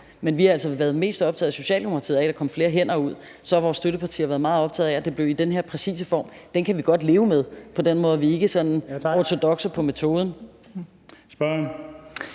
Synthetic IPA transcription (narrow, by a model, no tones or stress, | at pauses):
menʋihɑ̈æl̰sɒʋæɐðˠme̝̰ːsd̥ɒ̽b̥t͡sʰɛ̰ːðˠsɕo̝ɕɛ̰ːld̥emokʰɑt͡sʰe̝ːɐɛɾɑ̈kʰɒ̽mfle̝ːɐɦen̰ɐːuð̰ˠ | sɒ̽hɑ̈ʋɒːsːd̥øɾəpʰɑ̈t͡sʰḭːɐʋæːɐð̞ˠmɑ̈ːð̩ˠɒ̽b̥t͡sʰɛ̰ːð̩ˠæd̥e̝b̥le̝ʊid̥enɦe̝ɐ̰pʰʁɛsḭːsəfɒ̰ːmd̥enkʰæʋiɡ̥ɒ̽d̥le̝ːʊəmeð̞ˠpʰɒ̽denmɔ̽ːðˠʋie̝ɡ̥əsɒ̥̽n̩ɒt͡sʰo̝d̥ɒ̽ɡ̥sɐpʰɒ̽met͡sʰo̝ːð̞ˠn̩ | sb̥ɶ